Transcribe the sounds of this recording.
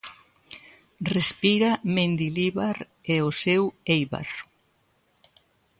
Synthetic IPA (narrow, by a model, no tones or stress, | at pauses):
respiɾamẽnd̪iliβaɾ | eosewejβa̰ɾ